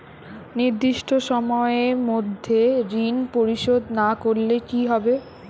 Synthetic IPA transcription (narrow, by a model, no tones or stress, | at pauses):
niɾd̪iʃʈʰoʃɔmɔeɾmod̪ʱːeɾinpoɾiʃod̪nakoɾlekiɦɔbe